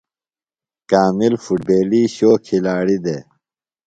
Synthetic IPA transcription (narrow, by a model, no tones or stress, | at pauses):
kaːmilfuʈ̚beːliɕoːkʰilaːɽid̪e